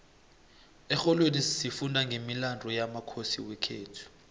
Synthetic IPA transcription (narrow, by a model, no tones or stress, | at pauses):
ɛxɔlwenisifundʱaŋɡʱemilandʱɔjamakʰosiwɛkʰeːtʰu̥